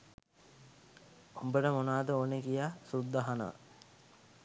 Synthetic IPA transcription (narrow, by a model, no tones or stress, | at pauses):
ombəʈəmonaːd̪əoːnekijasud̪ːaɦanə̰ʋə̰